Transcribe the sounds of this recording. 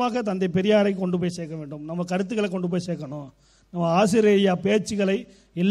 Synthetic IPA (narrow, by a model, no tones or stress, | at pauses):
maːɣɐt̪ɐnd̪ɐɪpɛɾɪjaːɾɐɪkɔɳɖɯp̬oːjseːkːɐʋeːɳɖɯmnɐmːɐkɐɾɯt̪̬ːɯkɐɭɛkːɔɳɖɯp̬oːjseːkɐɳʊ̃ː | nɐmːɐaːs̬ɪɾɐjaːpeːɾt͡ʃːɯɣɐɭɐɪ | ɛlː